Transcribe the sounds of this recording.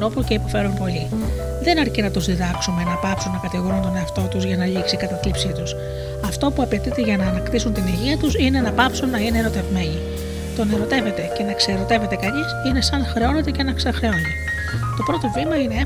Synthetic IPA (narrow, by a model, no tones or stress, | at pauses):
ɾo̞puce̞ipo̞fe̞ɾumpo̞ʎi | ðe̞nɐɾcinɐt̪uzðiðɐksume̞nɐpɐpsunːɐkɐt̪iɣo̞ɾunt̪o̞ne̞ɐft̪o̞t̪uzʝɐnɐʎiksikɐt̪ɐt̪lipsit̪us | ɐft̪o̞puɐpe̞t̪it̪e̞ʝɐnɐːnɐkt̪isunt̪iniʝiɐt̪usine̞nɐpɐpsunːɐine̞eɾo̞t̪e̞vme̞ɲi | t̪o̞ne̞ɾo̞t̪e̞ve̞t̪ece̞nɐkseɾo̞t̪e̞ve̞t̪e̞kɐɲisine̞sɐnxɾe̞o̞ne̞t̪e̞ce̞nɐksɐxɾeoni | t̪o̞pɾo̞t̪o̞vimɐine̞